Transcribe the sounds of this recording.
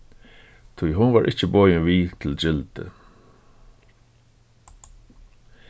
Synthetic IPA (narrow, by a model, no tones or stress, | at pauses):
t̪ʰujɦʊnʋaːɹʔɪt͡ɕəbɔːjɪʋiːt̪ʰɪld͡ʑɪlt̪ə̰